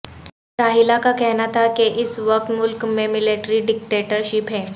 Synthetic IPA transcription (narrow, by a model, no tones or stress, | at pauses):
ʈaɦilakakɛɦnat̪akeʔisʋək̚t̪mulkmemileʈɾiɖik̚ʈeʈəɾɕipɦɛ